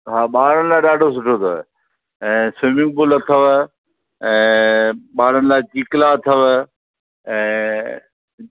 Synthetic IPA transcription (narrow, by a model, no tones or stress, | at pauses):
ɦaːɓaːɾənɪlaːɪɗaːɖʱos̬ʊʈʰoːt̪ʰoːe | ɛ̃ːsʋɪmɪ̃ŋɡ̚bʊlət̪ʰəʋ | ɛ̃ːɓaːɾənɪlaːɪt͡ɕiːklat̪ʰəʋ | ɛ̃ː